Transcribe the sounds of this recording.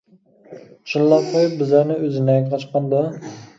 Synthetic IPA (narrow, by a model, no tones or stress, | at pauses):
ʃunlˠɑp̚qʰojɪp̚bɪzlæɾnɪøzɪnɛqʰɑt͡ʃqɑnd̪ɑ